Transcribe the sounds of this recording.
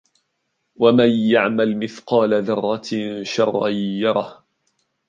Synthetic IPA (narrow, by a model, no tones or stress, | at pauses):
wamanjaʕmalmɪθqɑːlaðɑrˤːɑʃɑrˤːɑjːɑɾˤɑh